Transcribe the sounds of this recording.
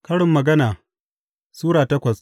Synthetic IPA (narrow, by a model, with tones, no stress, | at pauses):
kɐ˦ɽɪ˨mːɐ˨ɡɐ˦naː˨ | suː˦ɾaː˨tɐ˦kʷɐ˨s